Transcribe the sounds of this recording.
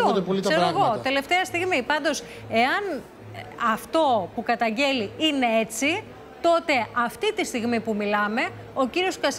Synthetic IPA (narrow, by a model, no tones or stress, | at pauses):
ot̪politsɐeɾoeɣot̪e̞le̞ft̪eɐst̪iɣmipɐnd̪o̞s | e̞ɐn | ɐft̪o̞pukɐt̪ɐɲɟe̞liine̞e̞t͡si | t̪o̞t̪e̞ɐft̪it̪ist̪iɣmipumilɐme̞ | o̞ciɾio̞skɐs